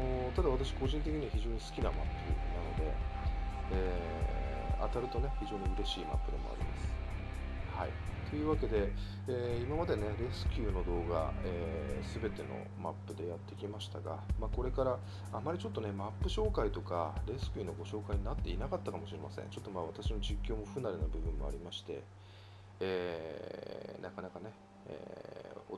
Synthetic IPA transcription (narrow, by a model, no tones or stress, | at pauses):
not̪ad̪aβat̪aɕi̥ko̞ʑĩnt̪ek̬ʲiɲ̟iβaçiʑo̞ːɲ̟isɨ̥kʲinama̰pːɯ̟̰nano̞d̪ḛ | eː | a̰t̪aɾɯ̟t̪o̞ne̞çiʑo̞ːɲ̟iɯ̟ɾe̞ɕiːma̰pːɯ̟d̪e̞̰mo̞̰a̰ɾʲḭma̰sɨ̥ | haḭt̪o̞jɯ̟ːβake̞d̪e̞ | eːimamad̪e̞ne̞ɾe̞sɨ̥kʲɯːno̞d̪o̞ːɡa̰eːsɨbe̞t̪e̞no̞̰ma̰pːɯ̟d̪e̞jat̪ːe̞kʲimaɕi̥t̪aɡa̰maːko̞ɾe̞kaɾa | amaɾʲit͡ɕo̞t̪ːo̞ne̞mapːɯ̟ɕo̞ːkait̪o̞kaɾe̞sɨ̥kʲɯno̞ɡo̞ɕo̞ːkaiɲ̟inat̪ːe̞inakat̪ːakamo̞ɕiɾe̞masḛ̟̃t͡ɕo̞t̪ːo̞maβ̞at̪aɕinoʑikʲːo̞ːmo̞ɸɯ̟naɾenobɯ̟bɯ̟̃mːo̞̰a̰ɾʲimaɕi̥t̪e̞̰ | eː | nʔakanakane̞ | ḛːo